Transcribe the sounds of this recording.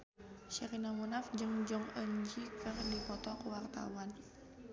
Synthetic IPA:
ʃəɾinamunafd͡ʒɨŋd͡ʒɔŋəɲd͡ʒikərdipɔt̪ɔkəwart̪a̰wan

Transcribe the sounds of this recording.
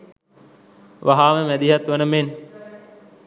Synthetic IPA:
ʋaɦaːməmæd̪iɦat̪ʋɐnəmen

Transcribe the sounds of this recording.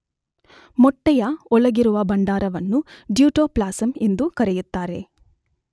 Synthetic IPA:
mɔʈːɛjɐɔlɐɡiɾuʋɐbɐɳɖaːɾɐʋɐnːuɖjuːʈoːplaːsɐmend̪ukɐɾejut̪ːaːɾe̞̰

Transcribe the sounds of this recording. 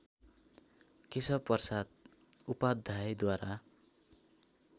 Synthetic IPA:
kisʌpːʌrsat̪̚ | upad̪ʱajd̪waɾa

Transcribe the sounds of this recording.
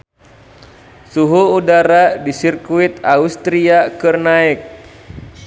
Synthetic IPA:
suɦuːdaɾadisirkuit̪̚aust̪ɾiakɨrnaɛk̚

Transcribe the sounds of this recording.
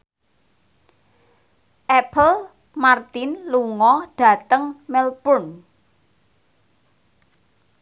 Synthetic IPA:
ʔɛpəl | mart̪ɪnluŋɔɖ̥ä̤t̪əŋmɛlpʊn

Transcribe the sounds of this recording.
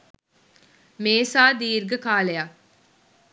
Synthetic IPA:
meːsaːd̪iːɾɡəkaːleja

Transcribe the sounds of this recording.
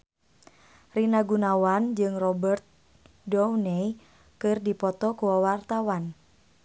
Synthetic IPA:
rinaɡunawand͡ʒɨŋrɔbərt̪̚ | dɔwnɛj | kɨrdipɔt̪ɔkuwawart̪awan

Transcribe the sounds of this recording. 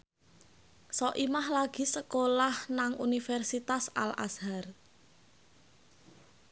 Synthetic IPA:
sɔʔimahlaɡ̥i̤səkolahnaŋʔunifɛrsit̪asa̰lʔa̰shar

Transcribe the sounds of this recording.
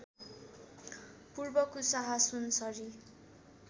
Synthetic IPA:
purbʌkusʌɦʌsunsʌɾi

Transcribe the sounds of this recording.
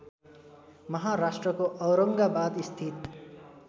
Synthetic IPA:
mʌɦaɾasʈrʌkoʔʌwɾʌŋɡabad̪ist̪ʰit̪

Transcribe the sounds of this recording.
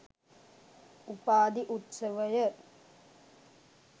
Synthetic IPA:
upaːd̪iʔut̪sɐʋɐjɐ

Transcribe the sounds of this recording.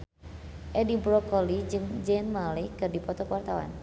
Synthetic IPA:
ʔɛdibɾɔkɔlid͡ʒɨŋd͡ʒɛnmalikɨrdipɔt̪ɔkwart̪awa̰n

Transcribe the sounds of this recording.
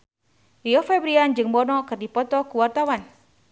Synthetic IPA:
iɔfɛbɾiand͡ʒɨŋbɔnɔkɨrdipɔt̪ɔkuwart̪awan

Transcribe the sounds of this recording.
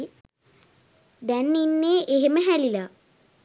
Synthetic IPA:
d̪ænːinːeːʔeɦeməɦælila

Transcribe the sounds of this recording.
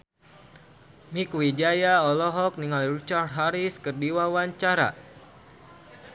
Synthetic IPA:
mikwid͡ʒajaɔlɔɦɔk̚niŋalrit͡ʃart̪ɦaɾiskərdiwawaɲt͡ʃaɾa̰

